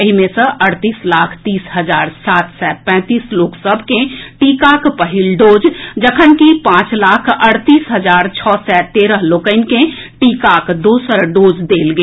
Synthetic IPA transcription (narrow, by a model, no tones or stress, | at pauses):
əɦimẽsə̃ʔəɽt̪iːslaːkʰt̪iːsɦəd͡ʒaːɾsaːt̪ʰsɛpɛ̃ːt̪iːsloːksəbʱkẽʈiːkakpəɦilɖoːd͡ʒd͡ʒəkʰənkipãt͡ʃlakʰəɽt̪iːsɦəd͡ʒaːɾt͡ʃʰɔːsɛt̪eːɾəɦloːkəɪnkẽ | ʈikakʰd̪oːsəɾɖoːd͡ʒd̪eːlɡeː